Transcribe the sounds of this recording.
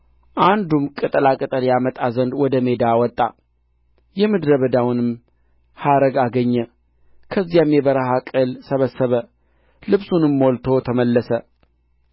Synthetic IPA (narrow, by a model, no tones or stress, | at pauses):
ʔand̪umkʼɨt̪ʼɨlakʼɨt̪ʼəljamət̪ʼazənd̪wɔd̪əme̞d̪awɔt̪ʼːa̰ | jɛmɨd̪ɾəβəd̪awnɨm | haɾəɡaɡəɲːɛ | kʰəzːijamjɛbəɾəɦakʼɨlsəβəsːəβə | lɨβsunɨmːolt̪ʰo̞t̪ʰəməlːəsə